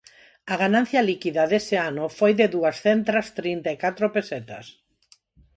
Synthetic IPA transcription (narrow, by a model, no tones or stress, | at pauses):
aɣanãn̟θjalikiðaðeseanʊfojðeðuasθent̪ɾast̪ɾint̪ajkat̪ɾopeset̪a̰s